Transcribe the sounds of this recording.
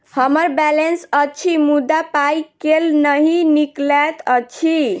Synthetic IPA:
həməɾbɛlensət͡ʃʰimud̪ːapajkelnəɦiniklɛt̪ət͡ʃʰi

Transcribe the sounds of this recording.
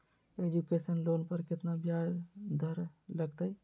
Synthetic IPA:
ed͡ʒukesənlonpəɾkɪt̪nabjajd̪ʱəɾləɡt̪əj

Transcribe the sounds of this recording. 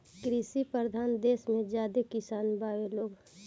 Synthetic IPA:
kɾisipəɾd̪ʱaːnd̪eːsmẽd͡ʒjaːd̪ekɪsaːnbaːʋeloːɡ

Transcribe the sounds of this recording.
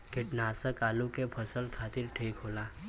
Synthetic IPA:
kɪʈnaːsəkaːlukepʰəsəlkʰaːt̪ɪɾʈʰiːkɦoːlaː

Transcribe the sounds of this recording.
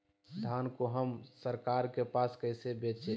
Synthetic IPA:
st̪ʰaːnkoɦəmsəɾkaːɾkepaːskəɪsebet͡ʃʰe

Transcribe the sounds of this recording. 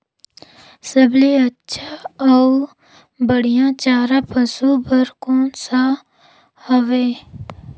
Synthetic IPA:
səbleətːʃʰaɔː | bəɽ̤ijãt͡ʃaːɾapəsubəɾkoːnsa | hɐʋeː

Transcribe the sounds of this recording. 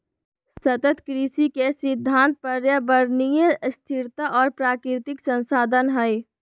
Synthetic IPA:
sət̪ət̪kɾiːsikesɪd̪ʱːãːnt̪̚pəɾjəbəɾnijəst̪ʰɪɾt̪aʔɔːɾpɾaːkɾɾɪt̪ɪksə̃nsaːd̪ʱənɦɛj

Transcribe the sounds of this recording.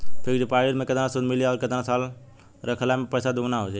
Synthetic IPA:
pʰikd͡ʒopaɾiɾmẽkət̪ɾasud̪milijaɔːɾkət̪nasal | ɾəkʰəlamepəjsad̪ʱuɡnaɦod͡ʒa

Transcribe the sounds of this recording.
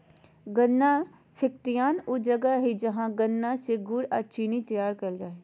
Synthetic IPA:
ɡənːa | pʰɪkt̪ijaːnʊd͡ʒɐɡaɦid͡ʒɐɦãɡənːaseɡʊɽa̰t͡ʃʰiːnit̪ɐjaːɾkəlɾaːɦe

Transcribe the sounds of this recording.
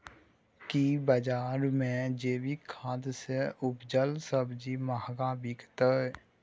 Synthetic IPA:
kibəd͡ʒaːɾmẽd͡ʒeːbikʰãːd̪seʊbd͡ʒəlsəbd͡ʒimaɦɡaːbikt̪əɛ

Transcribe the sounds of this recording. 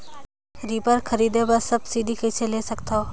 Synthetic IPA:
ɾiːbəɾkʰəɾiːd̪ebasəbsiːɖ̪ikʰət͡ʃʰelesəkt̪ʰoː

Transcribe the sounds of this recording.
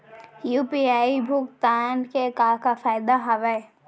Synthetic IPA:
jupiaːibʱʊkt̪aːnkekaːɾkafaːɪd̪aɦɐʋə

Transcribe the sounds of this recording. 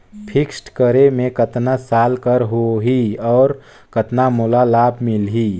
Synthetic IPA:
pʰɪksʈkəɾemẽkət̪nasaːlkəɾɦoɦiɔːɾ | kət̪namolalaːbʱmɪlɦiː

